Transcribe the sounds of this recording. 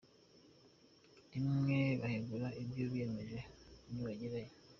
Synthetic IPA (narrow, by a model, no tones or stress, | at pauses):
imŋeβaheɡulaʔibjoβijemeʒeniβaɟiɾaje